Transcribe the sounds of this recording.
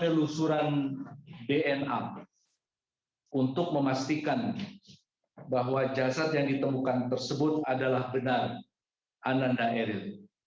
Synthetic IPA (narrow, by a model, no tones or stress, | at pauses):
əlusuɾan | deʔɛna̰ | unt̪ʊk̚məmast̪ikan | baɦwad͡ʒasat̪̚jaŋdit̪əmukant̪ərsəbʊt̪adalahbənar | ʔanandaʔɛɾɪl